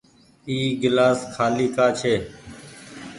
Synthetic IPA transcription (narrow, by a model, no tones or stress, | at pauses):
iːɡɪlaːskʰaːliːkaːt͡ʃʰeː